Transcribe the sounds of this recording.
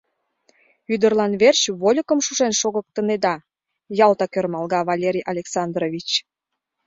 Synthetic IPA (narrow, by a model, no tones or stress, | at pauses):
yd̪ərlɑnβert͡ɕβolʲəkəmʃuʃenʃoɣə̆k̚t̪əned̪ɑ | jɑlt̪ɑkørmɑlˠɣɑβɑlʲeɾʲijʔɑlʲeksɑnd̪rovʲit͡ɕ